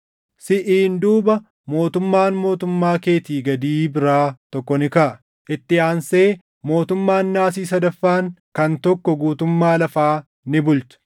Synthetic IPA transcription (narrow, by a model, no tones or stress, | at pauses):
sɪʔiːnd̪uːbɐ | mo̞ːt̪ʊmːaːnmo̞ːt̪ʊmːaːke̞ːt̪iːɡɐd̪iːbɪɾaːt̪ɔkːɔnɪkɐʔɐ | ʔɪt̪ːɪaːnse̞ː | mo̞ːt̪ʊmːaːnːaːs̬iːs̬ɐd̪ɐfːaːŋkɐnt̪ɔkːɔɡuːt̪ʊmːaːlɐfaː | nɪbʊlt̪ʊ̥